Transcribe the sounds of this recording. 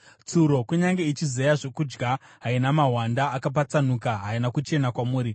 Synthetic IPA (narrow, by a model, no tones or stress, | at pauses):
t͡suɾo̞kuɲaŋɡe̞it͡ʃizejaʐokud͡ʒɡa | ɦainamaɦwandaːkap̬at͡sanukaɦainakut͡ʃe̞nakwamuːɾi